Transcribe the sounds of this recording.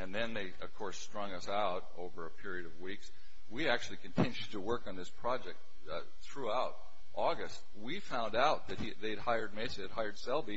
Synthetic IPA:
ɨ̃nðɨ̃nðeɪʌv̥kʰɔɹstɹ̥ʌ̃ŋʌsaʊɾo̰ʊvə˞ɨpʰɪɹiɨɾʌvwiks | wiæk̚t͡ʃʉl̩ˠikʰɨ̃ntʰɪ̃njʉd̚tʰəwɜ˞kn̩ðɪspʰɹ̥ɑd͡ʒɛk̚t̚ | θɹuaʊɾ̚ | ʔɔɡɨst̚wifãʊ̃ndaʊt̪̚ðɨt̚hiðeɪɨd̚haɪə˞d̚meɪsɨd̚ɦaɪə˞d̥sɛlˠbi

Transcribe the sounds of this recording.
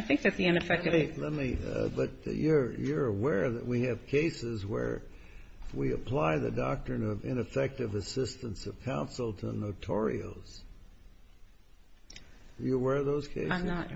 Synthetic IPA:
ɪθɪ̃ŋk̚ðɨt̪̚ðiɨ̃nɨfɛk̚tlɛt̚mibʌt͡ʃ̚jə˞jə˞əwɛɹðɨ̰ʔ̚wiɨv̥kʰeɪsɪzwə̰˞ | wiɨpʰl̥aɪðɨ̰dɑk̚tɹ̥ɨ̃nʌvɪ̰̃nɨfɛk̚tɨvɨsɪstə̃nsʌv̥kʰãʊ̃nsl̩ˠtʰə̰noʊtʰɔɹḭo̰ʊz̥ | əjɨəwɛɹðoʊz̥kʰeɪnə

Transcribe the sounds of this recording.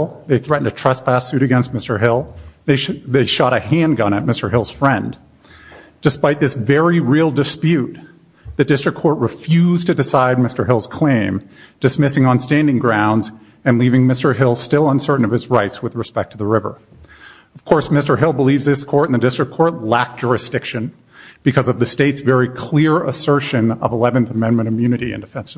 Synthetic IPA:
lˠðeɪθɹɛʔn̩tʰɨtʰɹ̥ʌspʰæsʉɾɨɡɛ̃nst̚mɪstə˞ɦɪlˠðeɪðeɪʃɑɾɨhæ̃ndə̃ñɨt̚mɪstə˞ɦɪlˠz̥fɹɛ̃n | d̥ɨspaɪt̪̚ðɪsvɛɹiɹilˠdɨspjʉt̪̚ | ðɨdɪstɹ̥ɨkʰɔɹt̚ɹɨfjʉztʰɨdɨsaɪd̚mɪstə˞ɦɪlˠz̥kʰl̥ẽɪ̃md̥ɨsmɪsɪ̃ŋə̃nstæ̃ndɪ̃ŋɡɹãʊ̃ndz | ɨ̃nlivɪ̃ŋmɪstə˞ɦɪlˠstɪlˠə̃nsɜ˞ʔn̩ʌv̥ɨzɹaɪtswɨðɹɨspɛk̚tʰɨðəɹɪvə̰˞ | ʌv̥kʰɔɹsmɪstə˞ɦɪlˠbəlivzðɪskʰɔɹɾ̃n̩ðɨdɪstɹ̥ɨkʰɔɹtˡlæk̚d̥ʒ̥ʊɹɨsd̥ɪkʃɨ̃n | b̥ɨkʰʌzʌvðɨsteɪtsvɛɹikʰl̥ɪɹə̰sɜ˞ʃɨ̃nʌ̰vəlɛvɨ̃nθəmɛ̃nmɨ̃ɾ̃ɨmjʉnɨɾiɨ̰̃ndɨfɛ̃nsɨ̥

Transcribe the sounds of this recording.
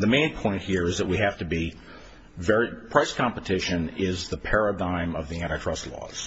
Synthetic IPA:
ðɨmẽɪ̃npʰɔ̃ɪ̃nʔ̚hiɹɨzðɨt̚wihæftɨbi | vɛɹipʰɹ̥aɪskʰɑ̃mpətʰɪʃɨ̃nɪzðəpʰɛɹədãɪ̃mʌvðiæ̃ɾ̃ɨtʰɹ̥ʌstˡlɔ̰z̥

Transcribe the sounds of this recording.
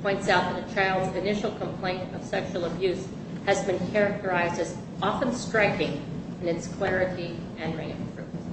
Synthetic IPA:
pʰɔ̃ɪ̃ntsaʊt̪̚ðɨɾɨt͡ʃʰaɪlˠzɨnɪʃl̩ˠkʰə̃mpʰl̥ẽɪ̃ntʌv̥sɛkʃul̩ˠəbjʉz̥ | hɨzbɨ̃nkʰɛɹɨk̚tʰə˞aɪzdɨz | ɑfə̃nstɹ̥aɪkɪ̃ŋ | ɨ̃nɨtskʰl̥ɛɹɨɾi | ɨ̃nɹẽɪ̃nfɹʉ̰

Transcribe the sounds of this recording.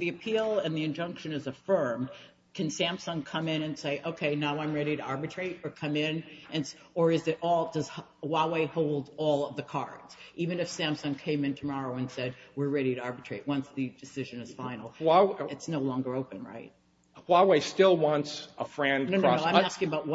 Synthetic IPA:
ðiɨpʰilˠɨ̃nðiɨ̃nd͡ʒʌ̃ŋkʃɨ̃nɨzɨfɜ̃˞m | kʰɨ̃nsæ̃msə̃nkʰʌ̃mɪ̃ñɨ̃nseɪʔoʊkʰeɪnaʊãɪ̃mɹɛɾiɾɨɑɹbɨtʰɹ̥eɪɾə˞kʰʌ̃mɪ̃nʔɨ̃ns | ə˞ɨzɨɾʔɔlˠdʌz̥ | waɪweɪhoʊlˠdɔlˠʌvðɨkʰɑ̰ɹdz̥ʔivɨ̃nɨfsæ̃msʌ̃nkʰẽɪ̃mɨ̃ntʰɨmɑɹoʊɨ̃nsɛd̚wɨɹɹɛɾiɾɨɑɹbɨtɹ̥eɪtʔ̚wʌ̃nsðɨdɨsɪʒɨ̃nɨz̥fãɪ̃nl̩ˠɨtsnoʊlɔ̃ŋɡə˞oʊpɨ̃nɹa̰ɪt̚ | waɪweɪstɪlˠwɑ̃ntsəfɹɛ̃nnoʊoãɪ̃æskɪ̃ŋəbaʊt̚wʌ

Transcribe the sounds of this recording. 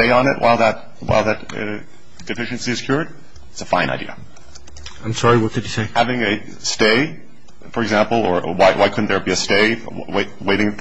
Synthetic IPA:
eɪə̃nɨ̰ʔ̚wʔa̰ɪlˠðət̚ | wa̰ɪlˠðɨtʌ̰ | d̥ɨfɪʃɨ̃nsiɨz̥kʰj̥ʊɹd̚ | ɪtsəfãɪ̃nʔa̰ɪdḭə̰ | ãɪ̃msɑɹiwʌt̚d̥ɨd͡ʒɨseɪhævɪ̃ŋɨ | steɪ | fə˞ɨɡzæ̃mpl̩ˠə˞waɪwaɪkʰʊdⁿn̩ðə˞biɨsteɪ | weɪweɪɾɪ̃ŋ

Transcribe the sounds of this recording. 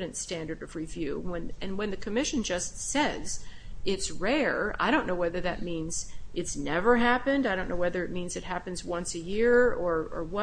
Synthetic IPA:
ɾɨ̃ntstæ̃ndə˞ɾʌv̥ɹivjʉ̰wə̃nɨ̃nwɨ̃nðɨkʰɨmɪʃɨ̃nd͡ʒʌstsɛz̥ɪtsɹɛɹa̰ɪɾõʊ̃nːoʊwɛðə˞ðɨt̚mĩnz̥ʔɨtsnɛvə˞ɦæpɨ̃ndaɪɾõʊ̃nːoʊwɛðə˞ɨt̚mĩnzɨt̚hæpɨ̃n̩zwʌ̃nsɨjɪɹə˞ə̰˞wʌ

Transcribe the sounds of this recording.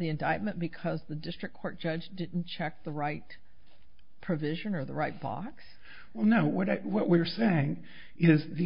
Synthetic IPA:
ðiɨ̃ndaɪt̚mɨ̃nb̥ɨkʰʌzðɨdɪstɹ̥ɨkʰɔɹt̚d̥ʒ̥ʌd͡ʒdɪdⁿn̩t͡ʃʰɛk̚ðəɹaɪt̚ | pʰɹ̥ɨvɪʒɨ̃nə˞ðə̰ɹaɪt̚b̥ɑ̰ks | wɛlˠnoʊwʌɾawʌʔ̚wiɹseɪɪ̃ŋ | ʔɪzði

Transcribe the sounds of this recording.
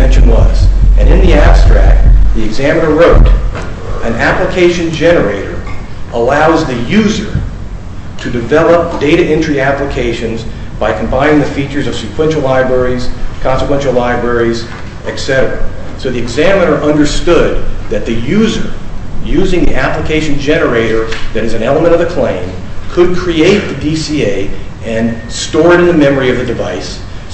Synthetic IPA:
ɛ̃nʃɨ̃nwʌ̰z̥ʔɨ̃nɨ̃nðiæstɹ̥æ̰k̚t̚ðiɨɡzæmənə˞ɹoʊɾ | ɨ̃næpləkʰeɪʃɨ̃nd͡ʒɛnə˞eɪɾə̰˞ | ʔəlaʊzðɨjʉzə˞ | ɾɨdɨvɛlˠəp̚d̥eɪɾɨʔɪ̃nt͡ʃɹ̥iæpləkʰeɪʃɨ̃nz | b̥aɪkʰm̩bãɪ̃nɪ̃ŋðɨfit͡ʃə˞zʌv̥sɨkʰw̥ɛ̃nʃl̩ˠlaɪbɹɛɹiz̥kʰɑ̃nsəkwɛ̃nʃl̩ˠlaɪbɹɛɹiz̥ | ɨtsɛɾə˞ə̰soʊðiɨɡzæmə̃nə˞ʔʌ̃ndə˞stʊd̪̚ðɨt̪̚ðɨjʉzə˞jʉzɪ̃ŋðiʔæpləkʰeɪʃɨ̃n̩d͡ʒɛnə˞eɪɾə˞ðɨɾɨzɨ̃nɛlˠəmə̃ɾ̃ʌvɨkʰl̥ẽɪ̃n | kʰɨd̚kʰɹ̥ieɪt̪̚ðɨdisieɪ | ɨ̃n | stɔɹɾɨ̃nðɨmɛmə˞iʌvðɨdɨvaɪs

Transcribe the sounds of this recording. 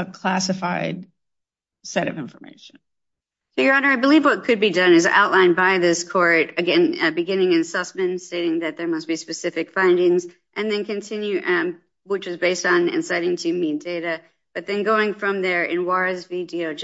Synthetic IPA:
əkʰl̥æsɨfaɪd̥̚ | sɛɾʌvɪ̃ɱfə˞mḛɪʃɨ̃n̩ | soʊjə˞ɑnə˞aɪbəlivwʌt̚kʰɨd̚bidʌ̃nɨzʔa̰ʊʔˡlãɪ̃nbaɪðɪskʰɔɹɾɨɡɛ̃nbɨɡɪ̃nɪ̃ŋɨ̃nsʌsmɨ̃nsteɪɾɪ̃ŋðɨt̪̚ðə˞mʌst̚b̥ispɨsɪfɨkfãɪ̃ndɪ̃ŋz | ʔɨ̃nðɨ̃nkɨ̃ntʰɪ̃njʉʔ | wɪt͡ʃwʌzbeɪstn̩ɨ̰̃nsaɪɾɪ̃ŋtʰɨmit̚d̥eɪɾɨ | b̥ʌt̪̚ðɨ̃nɡoʊɪ̃ŋfɹʌ̃mðə˞ʔɪ̰̃nwɑɹɨzvɪdioʊd͡ʒ

